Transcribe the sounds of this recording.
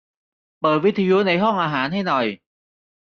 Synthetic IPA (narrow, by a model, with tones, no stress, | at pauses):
ɓəː˨˩jvəː˨˦t̪ʰi˨˧˦zu˨˦na˨˩˦jɦɔ˧˩ŋʔaː˨˩ɦaː˨˦nha˧jnɔ˨˩j